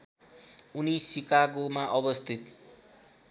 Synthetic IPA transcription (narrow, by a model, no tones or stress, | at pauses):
unisikaɡomaʔʌbʌst̪ʰit̪̚